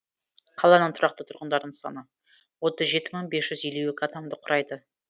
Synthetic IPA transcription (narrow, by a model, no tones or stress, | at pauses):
qʰɑlˠɑnəɴt̪ʰʊɾʔɑq̚t̪ət̪ʰʊɾʁənd̪ɑɾd̪əɴsɑ̰nə | wo̞t̪əzʒe̞t̪ɪməɴbe̞sʒ̥ʏzeluwɪkʰat̪amd̪əqʰʊɾʔɑjd̪ə